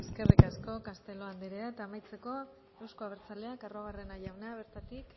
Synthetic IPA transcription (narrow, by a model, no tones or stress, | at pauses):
eske̞rikasko̞kast̪e̞lo̞and̪iɾeaet̪aːmajt͡se̞ko̞ | ewskoaβ̞eɾt͡sale̞akaro̞βare̞naʝawnaβ̞e̞ɾt̪at̪ik